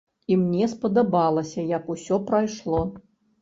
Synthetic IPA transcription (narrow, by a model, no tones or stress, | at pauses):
imnʲɛspɐd̪ɐbalˠɐsʲɐjɐkusʲɔpɾajʂlˠɔ